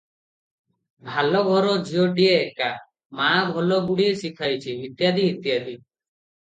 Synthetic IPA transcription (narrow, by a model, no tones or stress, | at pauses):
bʱalɔɡʱɔɾɔd͡ʒʱiɔʈieːka | mãbʱɔlɔɡuɽiesikʰajt͡ʃʰiɦit̪jad̪iɦit̪jad̪i